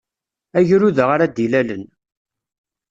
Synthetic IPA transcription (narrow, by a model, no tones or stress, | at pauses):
æʝɾuðəʁaɾad̪ilælən